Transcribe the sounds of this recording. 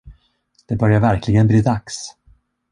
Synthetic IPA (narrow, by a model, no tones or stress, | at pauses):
d̪̥ɛbœɾjaɾvæɾklɪɡənbliːd̪aks